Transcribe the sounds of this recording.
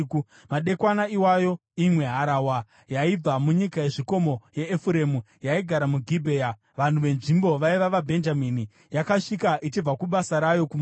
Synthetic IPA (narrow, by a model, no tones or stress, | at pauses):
ku | maɗe̞kwanaiwajo̞imwe̞ɦaɾawa | jaib͡vamuɲikaje̞ʐiko̞mo̞je̞ːfuɾe̞mu | jaiɡʱaɾamuɡʱibʱe̞ːja | ʋan̤uʋe̞nʐimbo̞ʋaiʋaʋabʱe̞nd͡ʒamini | jakaʂikaʔit͡ʃib͡vakuɓasaɾajo̞kum